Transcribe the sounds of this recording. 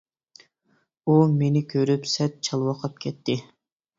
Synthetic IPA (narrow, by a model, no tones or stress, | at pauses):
umenɪkʲʰøɾypsɛt̪̚t͡ʃʰɑlˠwɑqʰɑp̚kʲʰɛt̪ʰːɪ